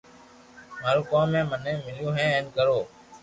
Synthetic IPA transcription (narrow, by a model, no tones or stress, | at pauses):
maːɾuːkãːmẽːmənẽːmɪljũːɦẽːẽːnkəɾoː